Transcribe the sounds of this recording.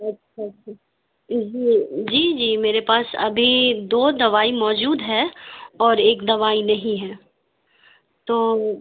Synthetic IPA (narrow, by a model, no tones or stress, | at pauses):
ɐtːʃʰaɐtʃʰa | d͡ʒiːd͡ʒiːd͡ʒiːmeːɾepaːsɐ̰bʱid̪oːd̪ɐʋaːimɔːd͡ʒuːd̪ɦɛɔːɾeːkd̪ɐʋaːinɐɦĩɦɛ̃ː | t̪oː